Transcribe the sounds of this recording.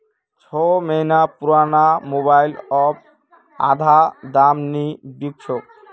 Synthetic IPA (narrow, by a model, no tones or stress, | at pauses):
t͡ɕʰɔmenapuɾanamoβajlɔp̚ | a̰d̪ʱad̪amnibikt͡ɕʰok̚